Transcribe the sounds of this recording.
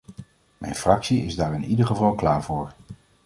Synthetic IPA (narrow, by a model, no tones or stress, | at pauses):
mɛ̰jnfrɑksiɪzdaːɹɪnidəɹχəvɑlˠklaːɹvʊːɹ